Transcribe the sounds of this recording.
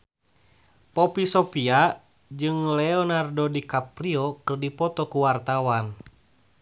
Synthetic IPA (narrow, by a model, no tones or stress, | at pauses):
pɔpisɔpia | d͡ʒɨŋlɛɔnardɔdikapɾiɔkɨrdipɔt̪ɔkuwart̪awan